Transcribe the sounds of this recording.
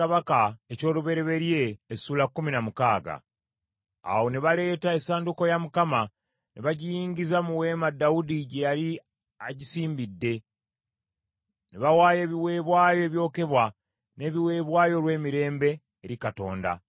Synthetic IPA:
aβakaeco̞ːluβe̞ɾe̞βe̞ɾje̞ːsuːlakːuminamukaːɡa̰ | a̰wo̞neβale̞ːtae̞saːnduko̞jamukama | neβaɟijiːɲɟizamuwe̞ːmadːaudiɟejali | aɟisiːmbidːe̞ | neβawaːje̞ːβiwe̞ːβwaːjo̞eβjo̞ːke̞βwa | ne̞βiwe̞ːβwaːjo̞lwe̞ːmiɾe̞ːmbe̞ː | ɾikato̞̰ːnda̰

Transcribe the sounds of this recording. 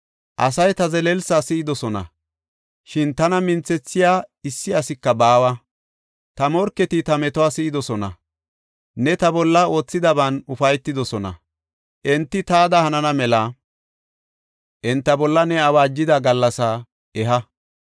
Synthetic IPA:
ʔɐsɐjt̪ɐzɛlɛlsasɪʔɪd̪ɔsɔnɐ̰ | ʃɪnt̪ɐnɐmɪnt͡sːɛt͡sːɪjaːɪsːɪɐsɪkːɐbaːwɐ | t̪ɐmɔɾkːɛt̪ɪt̪ɐmɛt̪ɔwaːsɪʔd̪ɔsɔnɐ̰ | nɛt̪ɐbɔlːɐo̞ːt͡sːɪd̪ɐbɐnʊfɐjt̪ːɪd̪ɔsɔnɐ̰ | ʔɛnt̪ːɪt̪aːd̪ɐhɐnɐnɐmɛlɐ | ʔɛnt̪ːɐbɔlːɐnɛɐwaːd͡ʒːɪd̪ɐɡɐlːɐsa | ɛɦɐ

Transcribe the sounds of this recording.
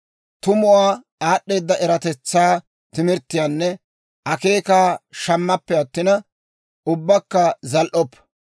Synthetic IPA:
t̪ʊmʊwaː | aːɗːe̞ːd̪ːɐʔɛɾɐt̪ɛt͡sːaː | t̪ɪmɪɾt̪ːɪjaːnːɛ | ʔɐke̞ːkaːʃɐmːɐpːɛɐt̪ːɪnɐ | ʊbːɐkːɐzɐlʔɔpː

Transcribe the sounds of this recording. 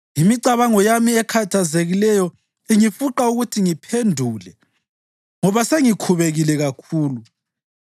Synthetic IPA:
imiǀaβaŋɔjamiɛkʰatʰazeɣilɛjɔ | iŋifuǃauɣutʰiŋipʰendʱuːlɛ | ŋɔβaseŋikʰuβeɣilɛɣakʰuːlu

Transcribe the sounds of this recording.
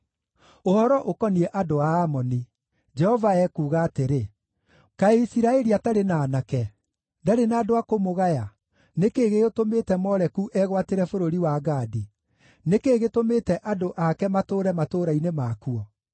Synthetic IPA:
ohɔɾɔʔokɔniɛʔadoaːmɔni | d͡ʒɛhɔvaɛkuːɣaːteɾe | kaeisiɾaɛɾiataɾenaːnakɛ | daɾenaːdoakomoɣaja | nekeːɣeotomeːtɛmɔɾɛkuʔɛɣwateɾɛfoɾoɾiwaɡaːdi | nekeːɣetomeːtɛʔadoʔakɛmatoːɾɛmatoːɾainemaːkuɔ

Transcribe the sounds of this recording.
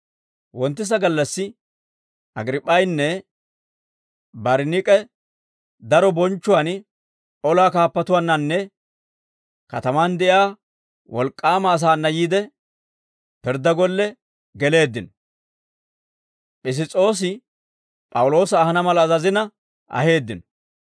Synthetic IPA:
wɔnt̪ːɪs̬ɐɡɐlːɐsːɪ | ʔɐɡɾɪpʼːɐjnːɛ | bɐɾnɪkʼɛ | d̪ɐɾɔbɔnt͡ʃːʊwan | ɔlaːkaːpːɐt̪ʊwanːɐnːɛ | kɐt̪ɐmand̪ɛʔɪaː | wʔɔlkʼːaːmɐːs̬aːnːɐjiːd̪ɛ | pɪɾd̪ɐɡɔlːɛ | ɡɛle̞ːd̪ːɪnɔ̥ | ʔɪs̬ɪt͡sʼo̞ːs̬ɪ | pʼɐwʊlo̞ːsɐːhɐnɐmɐlɐːzɐzɪnɐ | ʔɐ̰he̞ːd̪ːɪnɔ̥

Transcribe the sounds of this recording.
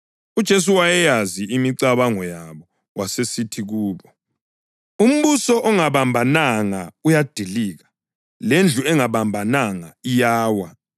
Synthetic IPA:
ud̥ʒ̥ʱes̬uwajɛjaziimiǀaβaŋɔjaβɔ | wʔasesitʰiɣuːβɔ | um̩βusɔʔɔŋaβambʱanaŋaujad̥ʱiliːɣḁ | lend͡ɮʱuɛŋaβambʱanaŋaijaːwa

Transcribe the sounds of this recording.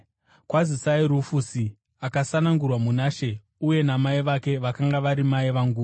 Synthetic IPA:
kwazisaiɾufusi | akasanaŋɡurwamunaːʃe̞ | uje̞namaiʋake̞ʋakaŋɡaʋaɾimaiʋaŋɡuː

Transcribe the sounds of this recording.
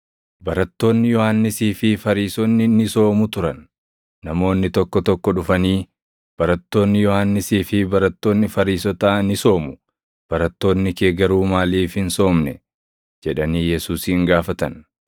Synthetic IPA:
bɐɾɐt̪ːo̞ːnːɪjɔhanːɪsiːfɪfɐɾiːsɔnːɪnɪso̞ːmʊt̪ʊɾɐnː | ɐmo̞ːnːɪt̪ɔkːɔt̪ɔkːɔᶑʊfɐniː | b̥ɐɾɐt̪ːo̞ːnːɪjɔhanːɪsiːfɪbɐɾɐt̪ːo̞ːnːɪfɐɾiːsɔt̪aːnɪso̞ːmʊ̥ | b̥ɐɾɐt̪ːo̞ːnːɪke̞ːɡɐɾuːmaːliːfhɪnso̞ːmnɛ | d͡ʒɛᶑɐniːjɛsuːsiɪŋɡaːfɐt̪ɐn

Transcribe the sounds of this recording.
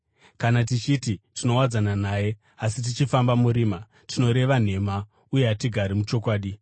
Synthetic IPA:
kanat̬it͡ʃititino̞wad͡zananaːje̞ | as̬it̬it͡ʃifambamuɾiːma | tʰino̞ɾe̞ʋan̤e̞ma | uje̞ɦatiɡʱaɾimut͡ʃo̞kwaːɗi

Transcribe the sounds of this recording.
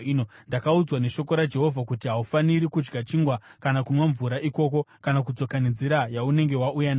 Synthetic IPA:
inondakaud͡zwane̞ʃo̞ko̞ɾad͡ʒe̞ɦo̞vʱakutiɦaufaniɾikud͡ʒɡat͡ʃiŋɡwakanakunwaɱvuɾaʔiko̞k̬o̞kanak̬ud͡zo̞kanind͡ziɾajaune̞ŋɡe̞waʔujana

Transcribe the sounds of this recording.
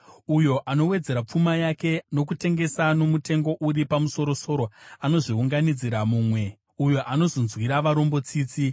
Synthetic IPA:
ujo̞ʔano̞we̞d͡ze̞ɾap͡fumajake̞no̞k̬ute̞ŋɡe̞sano̞mute̞ŋɡo̞ʔuripamuso̞ɾo̞so̞ɾo̞ano̞ʐiuŋɡanid͡ziɾamuːmwe̞ | ujo̞ʔano̞zo̞nzwiɾaʋaɾo̞mbo̞t͡siːt͡si

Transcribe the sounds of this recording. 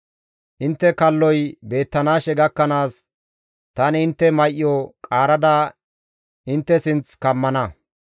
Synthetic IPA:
ʔɪnt̪ːɛkɐlːɔjbe̞ːt̪ːɐnaːʃɛɡɐkːɐnaːs | t̪ɐnɪɪnt̪ːɛmɐjʔɪjɔkʼaːɾɐd̪ɐ | ɪnt̪ːɛsɪnt͡skɐmːɐnɐ

